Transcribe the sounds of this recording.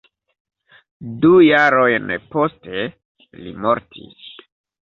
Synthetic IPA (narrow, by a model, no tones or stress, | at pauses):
dujaɾo̞jnpo̞ste̞ | lḭmo̞ɾtʰḭs